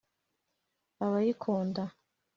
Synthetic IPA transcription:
aβajikʰoːnda

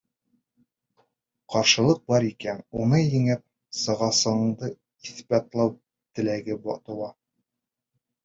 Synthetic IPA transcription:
qɒɾʃɤ̆lˠɤq̚bɒɾikænunɤjɘ̆ŋɘp̚ | sɤ̆ʁɑsɤ̆ɴɴd̪ɤ | iθbæt̪lˠɑw | t̪ɘ̆læɡɘbɒt̪ɤ̆w̪ˠɑ

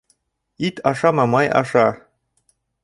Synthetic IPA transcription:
it̪ʰɑʃɑmɑmɑjɑ̰ʃɑ

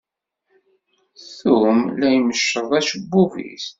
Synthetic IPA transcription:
θumlæjməʃːəðˤæʃəbːuvḭs

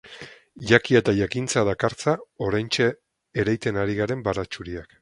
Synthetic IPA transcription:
ʝakie̞t̪aʝakint͡saðakaɾt͡sao̞ɾajnt͡ʃeː | ɾajt̪e̞naɾiɣaɾe̞mbaɾat͡ʃuɾiak

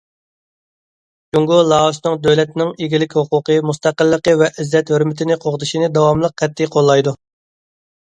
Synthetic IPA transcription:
d͡ʒuŋɡʊlˠɑʃnɨŋd̪øwlɛt̪nɪŋeɡʲilɪkʲhuqʰʊqʰəmust̪æqəlˠːəqəvɛʔɪzːɛt̪høɾmɪt̪ʰɪnɪqʰoʁəzɨʃinɪd̪ɑwɑmlˠəq̚ʰːɛt̪ʰːɪqʰolˠːɑjd̪u

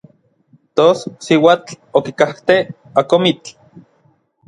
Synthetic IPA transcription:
t̪ossiwaːt͡ɬ | okikaht̪e | akomit͡ɬ

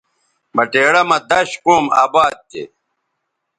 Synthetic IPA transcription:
mɐʈeːɽɐmɐd̪ɐɕkoːma̰ːbaːd̪̚t̪ḛ

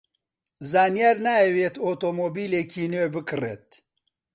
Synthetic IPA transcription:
zaːnjɛɾnaːɛweːt̪oːt̪oːmoːbiːleːkʰiːnøːbɨkɨrḛːt̪̚

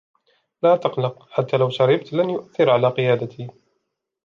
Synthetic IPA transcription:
laːt̪ɑqlɑqħat̪ːaːlawʃɑɾˤɑbt̪lanjʊʔaθːɪɾʕalaːqɪjaːd̪at̪iː

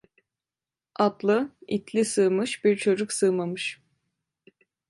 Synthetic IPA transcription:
at̪lˠɯit̪ʰlʲisɯːmɯʃbiɾt͡ʃʰod͡ʒuksɯːmamɯʃ

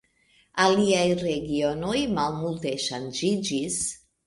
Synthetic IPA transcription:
aliajɾeɡio̞no̞jmalmulteʃand͡ʒid͡ʒis

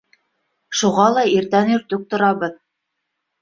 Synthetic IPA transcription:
ʃuʁɑlˠɑiɾt̪ænɵ̆ɾt̪ɵk̚t̪ŏɾɑβɤð

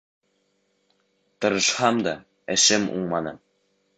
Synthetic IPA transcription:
t̪ɤ̆ɾɤ̆ʃhɑmd̪ɑ | ɘ̆ʃɘmṵɴmɑnɤ

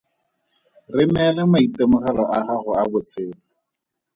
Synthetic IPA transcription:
rɪmɛlɛmaitɛmʊrɛlɔʔaχaɣʊabʊt͡sʰɪːla

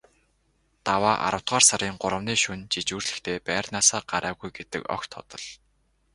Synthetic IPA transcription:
t̪awaːʔa̰ɾə̆w̥t̪ɢaːrsaɾiːŋɢʊɾə̆wniːʃunt͡ɕit͡ɕuːrɮɘ̆xt̪ʰeːpæːrnaːsaːɢaɾaːɣujɡet̪ɘ̆kɔ̰xt̪ʰːɔ̰t̪ɞ̆ɮ

